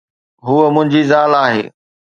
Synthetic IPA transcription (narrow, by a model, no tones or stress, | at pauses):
ɦuəmʊ̃ɦɪ̃ɲd͡ʑizaːlaːɦḛː